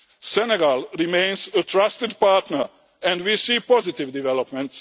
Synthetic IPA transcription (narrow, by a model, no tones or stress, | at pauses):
sɛneɡalɾimẽjnzətʰɾast̪ɪd̪paɾt̪nəɾ | ɛ̃nd̪ʋisiːpɔzɪt̪iʋd̪iʋɛlopmɛ̃nt̪s